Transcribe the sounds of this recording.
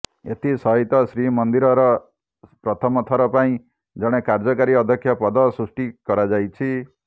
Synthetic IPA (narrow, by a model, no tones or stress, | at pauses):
ḛt̪ʰisʌɦit̪ɔsɾimʌnd̪iɾɔɾɔ | pɾʌt̪ʰɔmɔt̪ʰɔɾɔpaĩ | d͡zʌɽ̃ekaɾd͡ʒɔkaɾiʌd̪ʱʌkʰjapɔd̪ɔsɾusʈikɔɾad͡ʒajt͡ʃʰi